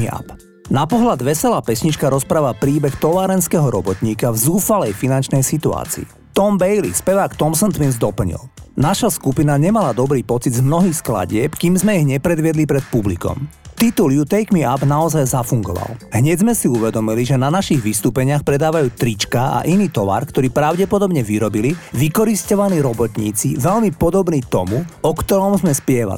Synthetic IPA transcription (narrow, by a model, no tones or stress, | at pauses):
a̰p | napɔɦlad̪ʋɛsɛlaːpɛsɲit͡ʃkaɾɔspɾaːʋapɾiːbɛxt̪ɔʋaːɾɛnskɛɦɔɾɔbɔt̪ɲiːkavzuːfalɛjfinant͡ʃnɛjsit̪ua̰ːt͡sḭː | t̪ɔmbɛjlḭspɛʋaːkt̪ɔmsɔnt̪ʋinzd̪ɔpl̩ɲḭlnaʃaskupinaɲɛmalad̪ɔbɾiːpɔt͡sid̪zmnɔɦiːxskla̰ɟɪɛpkiːmzmɛiɦɲɛpɾɛd̪ʋɪɛd̪lipɾɛt̪̚publikɔ̰mt̪it̪uljut̪ɛjkmiabnaɔzajzafuŋɡɔ̰ʋa̰lɦɲɛɟzmɛsiuʋɛd̪ɔmiliʒɛnanaʃiɣʋist̪uːpɛɲɪaxpɾɛd̪aːʋajuːt̪ɾit͡ʃkaa̰ʔiniːt̪ɔʋa̰ɾkt̪ɔɾiːpɾaʊɟɛpɔd̪ɔbɲɛʋiɾɔbiliʋikɔɾiscɔʋaniːɾɔbɔt̪ɲḭːt͡siʋɛʎmipɔd̪ɔbniːt̪ɔmuɔkt̪ɔɾɔmzmɛspɪɛʋa̰li